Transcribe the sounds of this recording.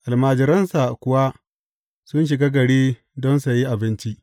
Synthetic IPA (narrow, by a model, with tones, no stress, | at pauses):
ʔa˨lmaː˨d͡ʒɪ˨ɾɐ˦nsa˨kʷʊ˨wa˦ | sʊ˦nʃ̬ɪ˨ɡaː˦ɡɐ˨ɽiː˦ | dɔ˦nsa˨ji˦ʔa˨bɪ˦nt͡ʃi˦